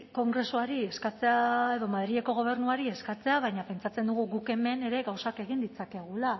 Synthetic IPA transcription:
ko̞ŋɡɾe̞suaɾie̞skat͡se̞ae̞ðo̞maðɾieko̞ɣ̞o̞β̞e̞ɾnuaɾie̞skat͡se̞aβajɲape̞nt͡sat͡se̞nd̪uɣ̞uɣuke̞me̞ne̞ɾe̞ɣawsake̞ɣind̪it͡sake̞ɣ̞ula

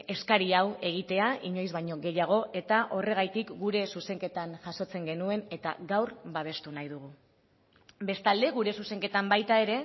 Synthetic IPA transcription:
e̞skaɾiawe̞ɣ̞it̪e̞aʔiɲo̞jzβaɲo̞ɣe̞jaɣ̞o̞e̞t̪aʔo̞re̞ɣajt̪ikɡuɾe̞suse̞ŋke̞t̪anʝaso̞t͡se̞ŋɡe̞nue̞ne̞t̪a̰ɣawɾbaβ̞e̞st̪unajðuɣ̞u | be̞st̪ald̪e̞ɣ̞uɾe̞suse̞ŋke̞t̪ambajt̪ae̞ɾe̞

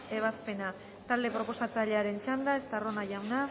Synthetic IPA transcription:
e̞β̞aspe̞na | t̪ald̪e̞pɾo̞po̞sat͡saʎe̞aɾe̞nt͡ʃand̪ae̞st̪aro̞naʝawna

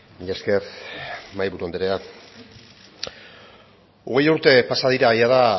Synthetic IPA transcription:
miʎaske̞rmajβuɾuond̪eɾea | oɣe̞juɾt̪e̞pasaðiɾaejaða

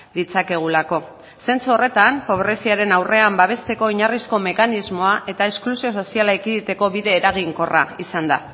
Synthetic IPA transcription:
d̪it͡sake̞ɣ̞ulako̞ | se̞nt͡suo̞re̞t̪ampo̞βɾe̞siaɾe̞nawre̞ambaβ̞e̞st̪e̞ko̞iɲarisko̞me̞kanizmo̞aʔe̞t̪ae̞sklusio̞s̬o̞sialaekiðit̪e̞ko̞βiðe̞ːɾaɣ̞iŋko̞ra̰isand̪a̰

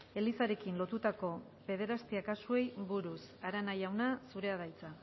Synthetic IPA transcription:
e̞lisaɾe̞kinlo̞t̪ut̪ako̞ | be̞ð̞e̞ɾast̪iakasue̞jβuɾusaɾanajawnasuɾe̞aðajt͡sa

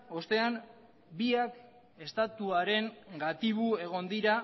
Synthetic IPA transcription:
o̞st̪e̞an | biak | e̞st̪at̪uaɾe̞ŋɡat̪iβue̞ɣ̞o̞nd̪iɾa

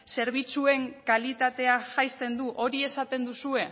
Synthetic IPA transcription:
se̞ɾβ̞it͡sue̞ŋkalit̪at̪e̞aʝajst̪e̞nd̪uʔo̞ɾie̞sat̪e̞nd̪usue̞

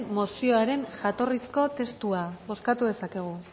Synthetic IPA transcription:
mo̞sio̞aɾe̞nʝat̪o̞risko̞t̪e̞st̪uaβo̞skat̪uð̞e̞sake̞ɣ̞u

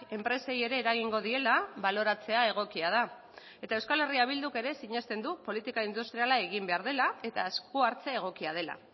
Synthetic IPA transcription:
e̞mpɾe̞se̞je̞ɾe̞ːɾaɣ̞iŋɡo̞ðie̞laβalo̞ɾat͡se̞ae̞ɣ̞o̞kiað̞a | e̞t̪aewskale̞riaβ̞ild̪uke̞ɾe̞siɲe̞st̪e̞nd̪upo̞lit̪ikaind̪ust̪ɾialae̞ɣ̞imbe̞aɾð̞e̞lae̞t̪aeskuaɾt͡se̞ːɣ̞o̞kiað̞e̞la̰

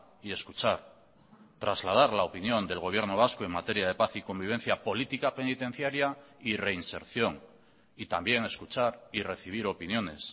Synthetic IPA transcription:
ie̞skut͡ʃaɾ | t̪ɾazlað̞aɾlaopinjo̞nd̪e̞lɣ̞o̞β̞je̞ɾno̞β̞askoe̞ŋmat̪e̞ɾjað̞e̞paθiko̞mbiβ̞e̞n̟θjapo̞lit̪ikape̞nit̪e̞n̟θjaɾjaire̞inse̞̰ɾθjo̞ŋ | it̪ambje̞ŋe̞skut͡ʃaɾire̞θiβ̞iɾo̞pinjo̞ne̞s

